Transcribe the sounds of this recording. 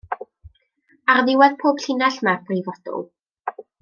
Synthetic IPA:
arðɪwɛðpʰoːb̥ɬɪnaɬmab̥rivɔdʊ̰lˠ

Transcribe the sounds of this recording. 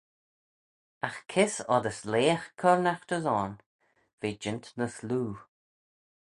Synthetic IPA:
axkʰɪsɔd̪əsleːxkʰɔɹnaxt̪əzɔːn | v̥eːd͡ʒɪnt̪nəsluː

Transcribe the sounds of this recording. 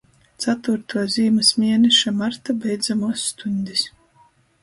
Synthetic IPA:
t̪sat̪vuɾt̪uziːmɨsmʲiɛnɛʃamaɾt̪abʲɛjd̪zamuɔsːt̪unʲd̪ʲis

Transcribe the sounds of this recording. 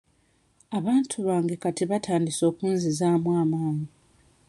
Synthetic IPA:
aβaːntʰuβaːŋɡe̞katiβatʰaːndiso̞ːkuːnzizaːmwaːmaːɲi

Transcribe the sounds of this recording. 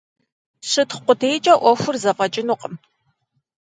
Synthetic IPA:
ɕɨtχqʷʊdʰejt͡ʃʼɐʔʷɔfʷʊrzɐpʼɐt͡ʃʼɪnuqʼəm

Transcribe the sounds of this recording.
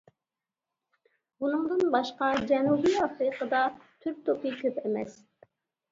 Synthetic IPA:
bunɨŋd̪ɨnbɑʃqɑd͡ʒɛnubijɑfɾɨqəd̪ɑt̪ʰyɾp̚t̪ʰopik̪ʰʲypemɛ̰s

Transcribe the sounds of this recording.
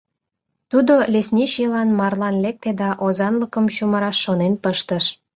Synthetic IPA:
t̪ud̪olʲesnʲiʃilɑnmɑrlɑnlek̚t̪ed̪ɑʔozɑnləkəmʃuməɾɑʃːonenpəʃt̪əʃ

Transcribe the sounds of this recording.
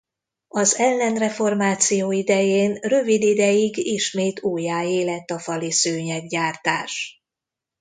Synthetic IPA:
ɒzɛlːɛnrɛfo̞rmaːt̪sijoːid̪ɛjeːnrø̞vid̪id̪ɛjiɡiʃmeːt̪uːjaːeːlɛt̪ːɒfɒlisøːɲɛɡɟaːrt̪aːʃ

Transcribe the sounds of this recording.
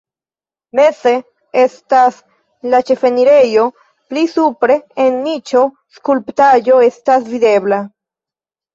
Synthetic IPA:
me̞se̞ | e̞stas | lat͡ʃe̞fe̞niɾe̞jo̞ | plisupɾe̞ːnːit͡ʃo̞ | skulptaʒo̞e̞stasvide̞bla

